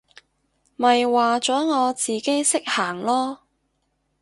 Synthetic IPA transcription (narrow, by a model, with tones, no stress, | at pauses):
mɐ˨jwaː˨t͡ʃɔː˨˥ŋɔː˨˧t͡siː˨ke˥jsɪ˥k̚haː˨˩ŋlɔː˥